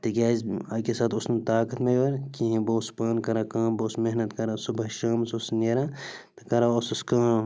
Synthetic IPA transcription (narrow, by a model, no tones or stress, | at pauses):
t̪ikʲaːzɐkesaːt̪ʰʊsnt̪aːkɐt̪mejʋɐɾkĩɦĩboːspaːnkɐɾaːkaːmboːsmeɦnɐt̪kɐɾasubɐʃaːmsusneːɾaːt̪ɐkɐɾaosuskãː